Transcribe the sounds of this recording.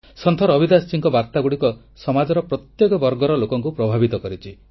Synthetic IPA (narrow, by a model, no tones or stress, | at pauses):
sɔnt̪ʰɔɾɔbid̪ast͡ʃiŋkɔbaɾt̪aɡuɽikɔ | sɔmad͡ʒɔɾɔpɾɔt̪jekɔbɔɾɡɔɾɔlokɔŋkupɾɔbʱabit̪ɔkɔɾit͡ʃʰi